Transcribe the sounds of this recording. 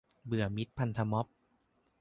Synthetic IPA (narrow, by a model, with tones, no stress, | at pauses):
bɯ˨˩əmi˦˥t̪̚pʰa˧nt̪ʰa˧mɔ˦˥p̚